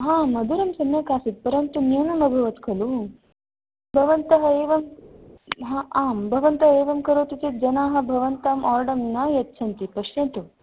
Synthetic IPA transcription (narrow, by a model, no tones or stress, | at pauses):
ɦãːmɐd̪ʱuɾɐmsɐmjɐkaːsit̪̚pɐɾɐnt̪unjuːnɐmɐbʱɐʋɐt̪kʰɐlu | bʱɐʋɐnt̪ɐɦɐeːʋɐm | ɦãaːmbʱɐʋɐnt̪ɐɦeːʋɐmkɐɾoːt̪it͡ʃit̪̚d͡ʒɐnaːɦɐ̆bʱɐʋɐnt̪aːmʔaːɾɖɐmnɐjɐtːt͡ʃʰɐnt̪ipɐʂjɐnt̪u